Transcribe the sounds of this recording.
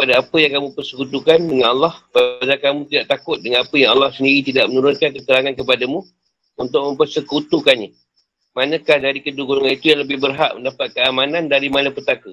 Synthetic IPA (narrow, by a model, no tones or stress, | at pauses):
kəpadaapəjaŋkamũpərsə̥kut̪ukandəŋanɑlːɑhpaadakamũt̪idaʔt̪akʊt̪̚dəŋanapəjaŋalːahsəndiɾit̪idaʔmənuɾʊnkankət̪əɾaŋankəpadamũ | unt̪ʊʔ̚mə̃mpərsəkut̪ukanɲa | manə̃kahdaɾikəduɡuɾuŋanit̪ujaŋləbɪhbərɦa̰ʔməndapat̪̚kəamanandaɾimanəpərt̪akə